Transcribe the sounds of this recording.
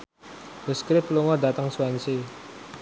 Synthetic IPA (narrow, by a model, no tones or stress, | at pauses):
bəskɾɪpluŋɔdat̪əŋsuanse